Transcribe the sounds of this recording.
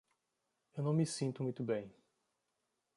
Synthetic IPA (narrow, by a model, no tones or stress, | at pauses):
ewnɐ̃w̃misĩnt̪ʊmũj̃t̪ʊbẽj̃